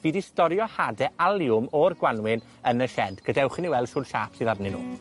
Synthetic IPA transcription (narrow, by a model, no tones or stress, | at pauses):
v̥iːdistɔɾjɔhadɛalˠjʊmɔrɡwanwɪn | ənəʃɛdɡ̥ədɛwχɪniwɛlˠd̥ʃuːnʃa̰ːpsiðadninṵː